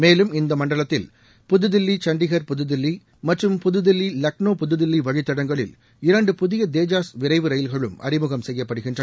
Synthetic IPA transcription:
meːlɯmɪnd̪ɐmɐɳɖɐɭɐt̪ːɪl | pʊðɯðɪlːit͡ʃɐɳɖɪɣɐɾpʊðɯðɪlːi | mɐʈrɯmpʊðɯðɪlːilɐknoːpʊðɯðɪlːiʋɐɻɪt̪ːɐɽɐŋɡɐɭɪ̰l | ɪɾɐɳɖɯpʊðɪjɐd̪eːd͡ʒaːsʋɪɾɐɪʋɯɾɐjɪlɣɐɭɯmɐ̰ɾɪmɯɣɐmsɛjːɐpːɐɽɯɣɪndrɐɐ

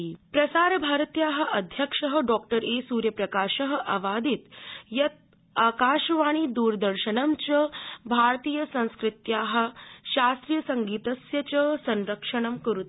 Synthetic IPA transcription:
pɾɐsaːɾbʱaɾt̪jaːɦɐ̆ʔɐd̪ʱjəkʂəɦəɖɔk̚ʈəɾesuːɾjəpɾɐkaːɕəɦə̆ʔɐʋad̪ʱiːt̪jɐt̪̚ | aːkaʃʋaːɽ̃id̪uːɾd̪əɾɕənəmt͡ɕəbʱaɾt̪iːjəsɐ̃w̃skɾit̪jaːɦɐ̆ɕast̪ɾijəsɐŋɡiːt̪əsjɐt͡ɕəsɐ̃nɾəkʂəɳ̃əmkəɾut̪

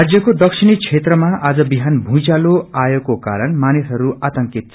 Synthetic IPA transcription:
ad͡zjʌkod̪ʌkʂʰinit͡sʰet̪rʌmaʔad͡zʌbiɦanbʱũt͡saloajekːokaɾʌnmanisɦʌɾuat̪ʌŋkit̪̚ʰ

